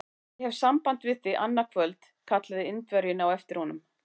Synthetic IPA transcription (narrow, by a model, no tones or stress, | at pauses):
hɛv̥sampant̪vɪðθiʔanːakʰvœlt̪ | kʰat̪laðɪɪnt̪vœɾjʏnawɛft̪ɪɾhɔnʏm